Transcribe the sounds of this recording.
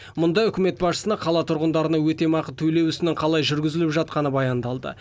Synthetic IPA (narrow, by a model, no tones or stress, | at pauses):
mʊnd̪ɑʏkʲɪme̞t̪bɑsʃə̥sənɑqʰɑlˠɑt̪ʰʊɾʁənd̪ɑɾənɑwɵt̪e̞mɑqət̪ʰɵjle̞wʏsɪnɪŋqʰɑlˠɑjʒʏɾɡʲɪzɪlɪpʒɑt̪̚qɑnəbɑjɑnd̪ɑlˠd̪ə̰